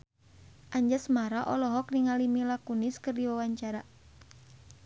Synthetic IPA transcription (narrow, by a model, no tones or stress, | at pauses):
ʔaɲd͡ʒasmaɾaʔɔlɔɦɔk̚niŋalimilakuniskɨrdiwawaɲt͡ʃaɾa